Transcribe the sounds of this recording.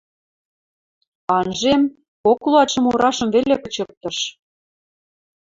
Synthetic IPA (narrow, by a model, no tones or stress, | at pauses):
ɑnʒem | koklˠuɑt̪ʃɤ̆moɾɑʃɤ̆mvelekɤt͡ɕɤ̆k̚t̪ɤ̆ʃ